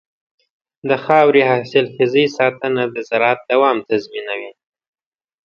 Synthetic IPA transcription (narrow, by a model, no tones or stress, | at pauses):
d̪əxɑwɾihɑsɪlxɪzisɑt̪ənad̪əzaɾat̪̚d̪awɑmt̪azminawi